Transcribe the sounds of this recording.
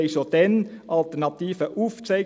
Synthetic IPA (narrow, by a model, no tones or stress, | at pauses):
ɪsɔd̪̥ɛnʔɑlt̪æɳɑt̪ʰiːfəʔʊft̪ʰɛɪ